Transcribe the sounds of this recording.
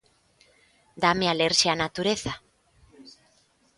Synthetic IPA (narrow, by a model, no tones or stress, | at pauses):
d̪amealeɾseanat̪uɾeθa